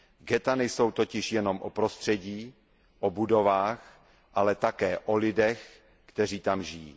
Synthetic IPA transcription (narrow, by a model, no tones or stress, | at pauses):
ɡɛt̪anɛjso̞wt̪o̞cɪʃjɛno̞mʔopɾo̞st̪r̝̥ɛɟiː | ʔobudo̞vaːx | ʔalɛt̪akɛːʔolɪdɛx | kt̪ɛr̝iːt̪amʒɪjḭː